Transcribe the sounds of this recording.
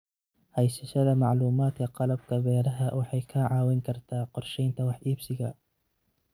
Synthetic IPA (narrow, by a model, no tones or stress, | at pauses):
hɛjsɐʃɐðɐmɑʕluːmaːd̪kʰɐqɑlɐb̚kʰɐbɛːɾɐɦɐwɑħɑjkʰɐʕɑːwɪŋkʰɐrt̪ʰaːqɔrʃɛjnt̪ʰɐwɑħʔiːbsɪɣɐ